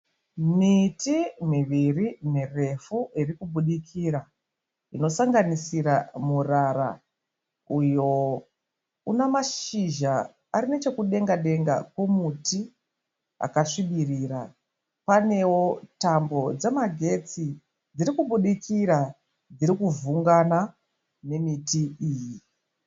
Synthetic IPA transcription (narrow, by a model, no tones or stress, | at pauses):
mitimiʋirinere̞fuirikuɓuɗikʰiːɾa | ino̞saŋɡanisiɾamuraɾa̰ | ujo̞ | unamaʃiʒa | aɾine̞t͡ʃe̞kuɗe̞ŋɡaɗe̞ŋɡa̰kwomuti | a̰kaʂiɓiriːra | pane̞wo̞tambo̞d͡ze̞maɡʱe̞t͡si | d͡ziɾikuɓuɗikʰiɾa | d͡ziɾikuvuŋɡana | ne̞mitiiːji